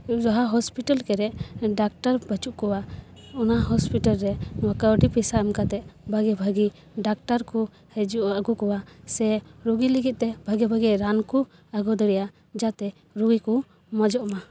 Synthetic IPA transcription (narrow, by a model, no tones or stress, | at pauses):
d͡ʒɔɦaɦɔspiʈalkɛɾɛʔɖak̚ʈaɾbət͡ʃuʔkɔwa | ɔnaɦɔspiʈalɾɛmakawɖipisaɛmkat̪ɛbʱaɡɛbʱəɡi | ɖak̚ʈaɾku | hɛd͡ʒuʔaɡukɔwasɛɾuɡiliɡit̪̚ˀt̪ɛbʱəɡɛbʱəɡiɾanku | aɡɔd̪ɔɽɛja | d͡ʒat̪ɛ | ɾuɡiku | mɔd͡ʒɔʔɔma